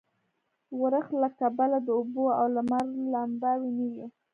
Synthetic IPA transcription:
wəɾəxlakabalad̪əuboawlamaɾlambawiniwi

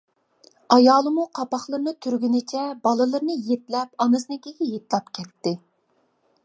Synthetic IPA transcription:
ɑjɑːlˠɨmuqʰɑpɑχlˠɨɾnɨt̪ʰyɾɡʲynɪt͡ʃʰɛbɑlˠɨlˠɨɾnɨjet̪lɛpɑnɨsnɨkʲekʲɪjet̪lˠɑpkʲʰɛt̪ːɪ

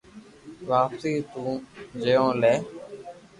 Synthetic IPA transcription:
ʋaːpsiːt̪ũːd͡ʒejõːlɛː

